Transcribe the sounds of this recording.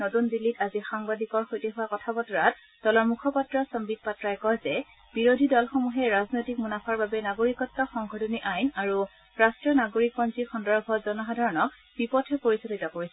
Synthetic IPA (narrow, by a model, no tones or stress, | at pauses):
notundilːitazixaŋbadʱikɔɹxojtɛɦʊwakɔtʰabɔtɔɹat | d̥ɔlɔɹmukʰɔpatɹɔsɔmbik̚patɹajkɔjzɛ | b̥iɹodʱidɔlxɔmuɦɛɹaznojtik̚munapʰaɹbabɛnaɡoɹikɔtːaxɔŋɡʱɔdɔniʔajnaɹu | ɹastɹiɔnaɡoɹikɔnzixɔndɔɹbʱɔzɔnɔxadʱaɹɔnɔk̚ | b̥ipɔtʰɛpoɹisotitɔkoɹisɛ